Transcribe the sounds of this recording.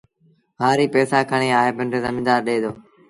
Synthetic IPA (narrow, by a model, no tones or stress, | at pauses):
ɦaːɾiːpɛːsaːkʰəɳ̃iːaːeːbəɳɖezəmĩːd̪aːɾɗeːd̪oː